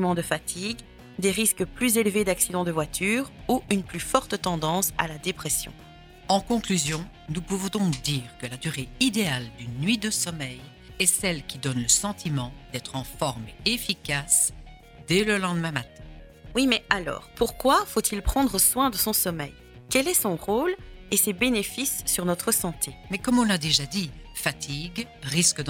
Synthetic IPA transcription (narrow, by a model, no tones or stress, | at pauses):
mɑ̃d̪əfat̪ʰiɡ | d̪eʁiskəplyzelved̪aksid̪ɑ̃d̪əvwat̪ʰyːʁuʔynplyfɔʁt̪t̪ɑ̃d̪ɑ̃sa̰lad̪epχɛsjɔ̰̃ | ɑ̃kɔ̃klyzjɔ̃ | nupuvɔ̃d̪ɔ̃kd̪iːʁkəlad̪yʁeid̪eald̪ynːɥid̪əsɔmɛj | ɛsɛlkʲid̪ɔnləsɑ̃t̪imɑ̃d̪ɛt̪χɑ̃fɔʁmefikas | d̪ɛləlɑ̃d̪əmɛ̃mat̪ɛ̃ | wimɛalɔ̰ːʁpuʁkwafot̪ʰilpχɑ̃d̪ʁəswɛ̃d̪əsɔ̃sɔmɛ̰j | kʲɛlɛsɔ̃ʁolesɛbenefisːyʁnɔt̪χəsɑ̃t̪ʰemɛkɔmɔ̃lad̪eʒad̪ifat̪ʰiɡ | ʁiskəd̪